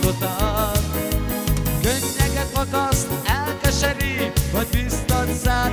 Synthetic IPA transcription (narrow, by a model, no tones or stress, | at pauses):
ot̪a | køɲːɛɡɛt̪ʋɒt̪ɒsɛlkɛʃɛɾivɒɟ̚bist̪onzaː